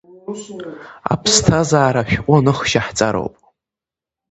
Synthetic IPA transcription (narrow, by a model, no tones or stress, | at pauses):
a̰pʰstʰazaːɾaʃᶣqʷʼʊnɨχʃaħt͡sʼaɾo̰wpʼ